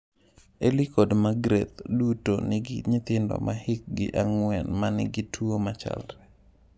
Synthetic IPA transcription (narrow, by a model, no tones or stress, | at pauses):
elikodmaɡɾḛt̪dutonɪɡɪ̰ɲɪt̪ɪndɔ̰mʔahɪk̚ɡɪ̰ʔaŋwɛnmanɪ̰ɡɪtʰuomat͡ʃa̰lɾɛ